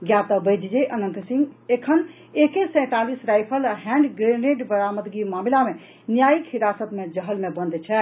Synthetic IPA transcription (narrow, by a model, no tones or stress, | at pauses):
ɡjat̪əbəjd̪d͡ʒeʔənənt̪siŋɡekʰən | ekesə̃ɪ̃t̪alisɾajpʰəlɦɛ̃ɳɖɡɾeneɖbəɾaməd̪ɡimamilame | njajikɦiɾasət̪med͡ʒəɦəlmebə̃nd̪t͡ʃʰɛ